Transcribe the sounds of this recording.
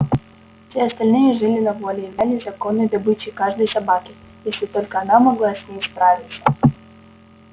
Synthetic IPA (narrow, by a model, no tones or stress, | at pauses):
fsʲiɐst̪ɐlʲnɪjɛʐɪlʲɪnɐvɔlʲiːnɛlʲizɐkɔnːɔjd̪ɐbɪt͡ɕɪkaʐd̪ɐjsɐbakʲɪ | jesʲlʲit̪ɔlʲkɐɐnamɐɡlˠasʲnʲejspɾavʲɪt̪sɐ̥